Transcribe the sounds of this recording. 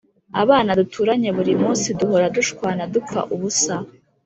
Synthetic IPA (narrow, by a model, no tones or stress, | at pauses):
a̰βaːnadutʰuːɾaɲe̞βuɾimuːsiduho̞ɾaduʃkwaːnadup͡fa̰ʔuβusa